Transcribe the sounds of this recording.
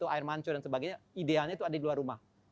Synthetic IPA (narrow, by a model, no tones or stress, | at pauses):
t̪uaɪrmaɲt͡ʃɔdansəbaɡajɲaidealɲait̪uadadiluarːumah